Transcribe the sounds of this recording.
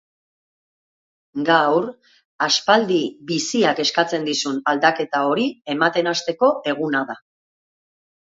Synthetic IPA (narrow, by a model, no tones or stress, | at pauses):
ɡawr | aspald̪ibisiake̞skat͡se̞nd̪isunald̪ake̞t̪ao̞ɾie̞mat̪e̞nast̪e̞ko̞e̞ɣ̞unaða